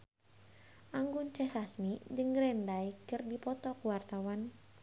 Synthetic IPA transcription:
ʔaŋɡunt͡ʃɛsasmid͡ʒɨŋɡɾɛndaikɨrdipɔt̪ɔkuwart̪awan

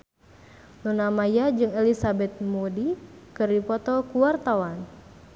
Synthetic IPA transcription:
lunamajad͡ʒɨŋelisabɛt̪̚modikɨrdipɔt̪ɔkuwart̪awan

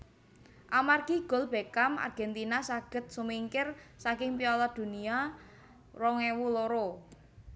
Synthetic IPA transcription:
ʔamarkiɡ̥ɔ̤lb̥e̤kama̰rɡ̥ɛ̤nt̪inasaɡ̥ə̤t̪̚sumiŋkɪrsakɪŋpiɔlɔd̪̥ṳnia | rɔŋewuloɾo

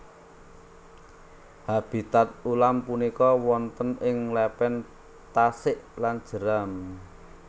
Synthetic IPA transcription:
hab̥i̤t̪at̪̚ulampunikɔwɔnt̪ənɪŋlɛpɛn | t̪asɪʔland̥ʒ̥ə̤ɾam

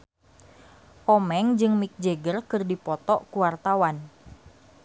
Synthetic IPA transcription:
ʔɔmɛŋd͡ʒɨŋmik̚d͡ʒeɡərkɨrdipɔt̪ɔʔkuwart̪awan

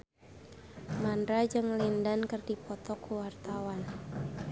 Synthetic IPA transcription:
mandɾad͡ʒɨŋlindankɨrdipɔt̪ɔkːuwart̪awan

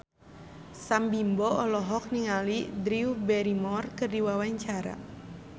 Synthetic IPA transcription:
sambimbɔɔlɔɦɔk̚niŋalidɾiubɛɾimɔrkɨrdiwawaɲt͡ʃaɾa̰

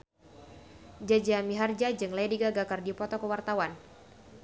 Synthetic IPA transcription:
d͡ʒad͡ʒiamiɦard͡ʒad͡ʒɨŋladiɡaɡakardipɔt̪ɔkəwart̪awan

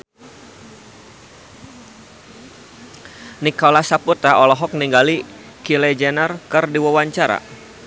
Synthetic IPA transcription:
nikɔlasaput̪aɔlɔɦɔk̚niŋɡali | kilɛd͡ʒɛnərkɨrdiwawaɲt͡ʃaɾa̰

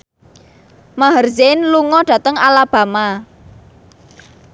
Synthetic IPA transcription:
maɦərzenluŋɔɖ̥a̤t̪əŋalab̥a̤ma

